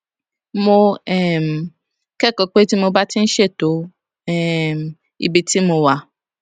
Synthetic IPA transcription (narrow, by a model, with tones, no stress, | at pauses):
mo˧ɛ˦˨m˨ | kɛ˦˨kɔ˨k͡pe˦ti˦mo˧ba˦ti˦n̩˦ʃe˦˨to˨˦ | ɛ˦˨m | ḭ˨bi˨ti˦mõ˨wa˨